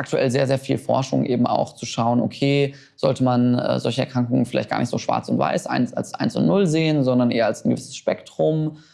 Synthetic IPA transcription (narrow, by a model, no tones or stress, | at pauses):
ʔak̚tuʔɛlzeːɐzeːɐfiːlfɔɐʃʊ̰ŋʔeːbm̩a̰ʊxt͡suʃaʊəno̰kʰeː | z̥ɔltəmanɛ̰ːzɔlçəɛɐkʁ̥aŋkʊŋənfɪla̰ɪt̚ɡ̥aːɐnɪçtz̥oːʃv̥a̰ɐt͡sʊntv̥a̰ɪsʔa̰ɪnsa̰lsʔa̰ɪnsʊ̰ntnʊlzeːənzɔndɐnʔeːɐalsaɪnɡə̰vɪsə̥sʃpɛktʁ̥ʊm